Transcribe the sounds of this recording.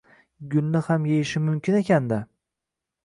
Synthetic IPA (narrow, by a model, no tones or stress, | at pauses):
ɡʲʊlnɪhamjejɪʃɪmʊmkʲʰɪne̞kʲʰand̪a